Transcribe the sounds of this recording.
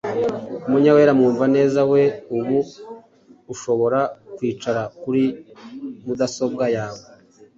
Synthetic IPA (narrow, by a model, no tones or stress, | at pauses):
umuɲaweɾamuːɱvane̞ːzawe̞uβuː | ʃo̞βo̞ɾakwiːt͡ʃaɾakuɾi | mudaso̞b̚ɡajaːwo